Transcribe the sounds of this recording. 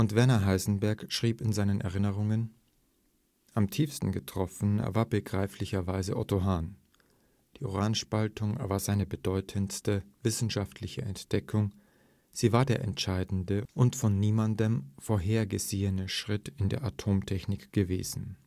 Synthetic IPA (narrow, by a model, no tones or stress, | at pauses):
ʔʊntv̥ɛɐnɐɦaɪzn̩bɛɐkʃʁ̥iːpɪnzaɪnənʔɛ̰ʁɪnəʁ̞ʊŋən | ʔamtʰiːfstn̩ɡətʁ̥ɔfn̩ḛɐvaːɐbəɡʁaɪflɪçɐvaɪzəʔɔ̰toɦaːn | d̥iːo̰ʁaːnʃpaltʊŋ̰ɐvaːɐzaɪnəbədɔʏtʰənstəvɪsn̩ʃaftʰlɪçəɛntd̥ɛkʰʊŋ | z̥iːvaːɐdeːɐʔɛntʃaɪdn̩dəʔʊntfɔnːiːmandəmfoːɐɦeːɐɡəzeːənəʃʁ̥ɪtɪndeːɐʔatʰoːmtʰɛçnɪkɡ̥əvḛːzn̩